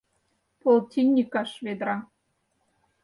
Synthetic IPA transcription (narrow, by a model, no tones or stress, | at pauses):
polˠt̪ʲinʲːikɑʃβed̪ɾɑ